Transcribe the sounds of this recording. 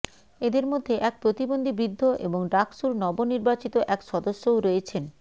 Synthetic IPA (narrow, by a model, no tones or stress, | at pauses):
ed̪eɾmod̪ʱːeʔɛk̚pɾot̪ibond̪ʱibɾid̪ʱːoʔḛboŋɖakʃuɾnɔboniɾbat͡ɕit̪oʔɛkʃɔd̪oʃːowɾoet͡ɕʰen